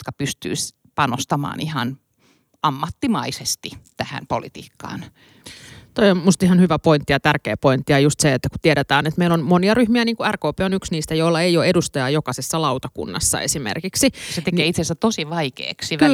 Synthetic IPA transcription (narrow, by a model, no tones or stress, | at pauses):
jot̪kɑpyst̪y̰is | pɑnost̪ɑmɑ̰ːnihɑ̰n | ɑmːɑt̪ːimɑisest̪it̪æhæ̰npo̰lḭt̪ḭːkːɑ̰ːn | t̪oiommust̪ihɑnhyʋæpoint̪ːijɑt̪ærkḛːpoint̪ːijɑjust̪seet̪ːæku̥t̪ieɾet̪æːnet̪meilonmoniɑryhmiæniːŋkuærkoːpeːonyksniːst̪æjoilːɑeioedust̪ɑjɑjokɑsesːɑlɑut̪ɑkṵnːɑ̰sːɑ̰esimḛrkiksiset̪ekeːit̪sesæt̪osiʋɑikḛːksik